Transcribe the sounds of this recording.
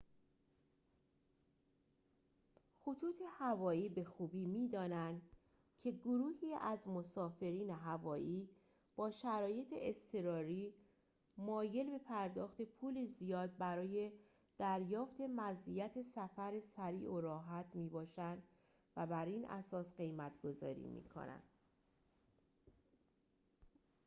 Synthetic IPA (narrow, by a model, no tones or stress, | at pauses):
xot̪ʰuːt̪ʰe̞hævɒːiːbe̞xuːbiːmiːd̪ɒːnænd̪ | cʰe̞ɡoɾuːhiːæzmo̞sɒːfe̞ɾiːne̞ɦævɒːʔiː | b̥ɒːʃæɾɒːje̞t̪ʰḛest̪ʰe̞ɾɒːɾiː | mɒːje̞lbe̞pʰæɾd̪ɒːxt̪e̞pʰuːlizijɒːd̪̚bæɾɒːje̞ | d̪̥æɾjɒːft̪e̞mæzijæt̪ʰe̞sæfæɾesæɾḭːʔoɾɒːɦæt̪ʰmiːbɒːʃænd̪ | væbæɾiːnʔæ̰sɒːsɢe̞jmæt̪ʰɡ̥o̞zɒ̰ːɾḭːmḭːkʰo̰næ̰nd̪̥